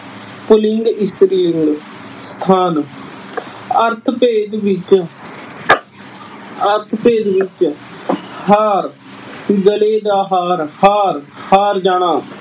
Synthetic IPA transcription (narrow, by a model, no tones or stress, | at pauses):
pʊlɪŋɡɪst̪ɾiːlɪŋɡ | st̪ʰaːn | əɾt̪ʰpeːd̪ʋɪt͡ʃ | əɾt̪ʰpeːd̪ʋɪt͡ʃ | haːɾ | ɡəleːd̪aːɦaːɾhaːɾhaːɾd͡ʒaːɽ̃aː